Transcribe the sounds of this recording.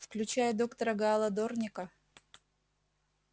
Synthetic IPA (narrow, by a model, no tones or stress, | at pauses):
fklʲʉt͡ɕæjəd̪o̞kt̪ɐɾəɡɐːlˠɐd̪ornʲɪkə